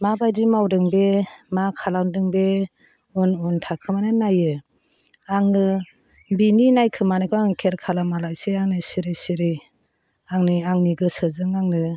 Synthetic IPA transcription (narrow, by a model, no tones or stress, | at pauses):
mabajdimawdɯŋbemakʰalandɯŋbe | ɯnuntʰakʰɯmanɯnajɯ | aŋɯ | bininajkʰɯmanakʰɯaŋɯkʰeɾkʰalamalajseaŋnɯsiɾisiɾi | aŋniaŋniɡɯsɯzɯŋaŋnɯ